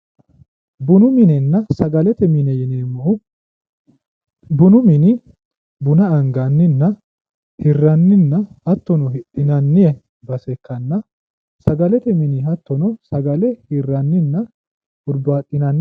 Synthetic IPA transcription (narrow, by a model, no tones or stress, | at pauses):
bʊnʊmɪnɛnːɐsɐɡɐlɛt̪ɛmɪnɛjɪneːmːɔʔʊ | bʊnʊmɪni | bʊnɐɐŋɡɐnːɪnːɐ | hɪrːɐnːɪnːɐhɐt̪ːɔnɔhɪᶑɪnɐnːɪɐ | bɐsɛkːɐnːɐ | sɐɡɐlɛt̪ɛmɪniɦɐt̪ːɔnɔsɐɡɐlɛhɪrːɐnːɪnːɐ | ʔʊɾbaːt̪ʼːɪnɐnːɪ